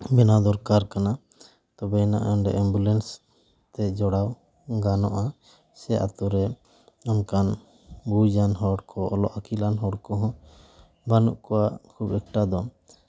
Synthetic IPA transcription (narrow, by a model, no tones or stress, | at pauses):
bɛnad̪ɔɾkaɾkana | t̪ɔbɛna̰ʔɔnɖɛ̰ʔɛmbulɛns | t̪ɛd͡ʒɔɽaw | ɡanɔʔa | sɛʔa̰t̪uɾɛ | ɔnkan | bud͡ʒanɦɔɽkʰɔɔlɔʔakilanɦɔɽkɔɦɔ̃ | banuʔkɔwaʔkʰubɛk̚ʈad̪ɔ